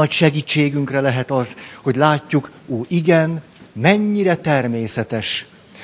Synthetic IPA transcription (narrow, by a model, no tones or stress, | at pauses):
ɒcʃɛɡiːt͡ʃːeːɡyŋkrɛlɛɦɛt̪ɒzho̞ɟlaːcːukoːʔiɡɛn | mɛɲːiɾɛt̪ɛrmeːsɛt̪ɛʃ